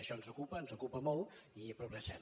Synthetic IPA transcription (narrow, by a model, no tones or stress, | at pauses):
əʃɔnzukupənzukupəmɔlˠipɾuɣɾəsɛ̰m